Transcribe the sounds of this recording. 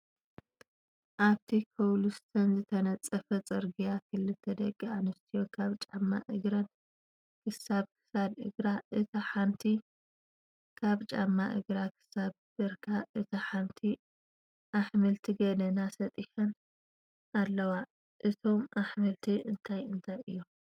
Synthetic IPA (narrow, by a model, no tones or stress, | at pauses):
ʔaβt̪ʰikʰɐwlust̪ʰɐnzɨt̪ʰɐnɐt͡sʼːɐfɐt͡sʼɨɾɡijakʰɨlɨt̪ʰːɐd̪ɐɡʼːianɨst̪ʰijo̞kʰaβt͡ʃʼamːa̰ʔɨɡɾɐn | kʰɨsaβkʰɨ̥sad̪ʔɨ̰ɡɾaʔɨt̪ʰɐħant̪ʰi | kʰaβt͡ʃʼa̰mːaʔɨ̰ɡɾakʰɨ̥saβ | b̥ɨɾkʰaʔɨt̪ʰɐħant̪ʰi | ʔaħmɨlt̪ʰiɡɐd̪ɐnasɐt̪ʼiħɐn | ʔalːɐwa | ʔɨt̪ʰo̞mʔaħmɨlt̪ʰiɨnt̪ʰajɨnt̪ʰajɨ̰jːo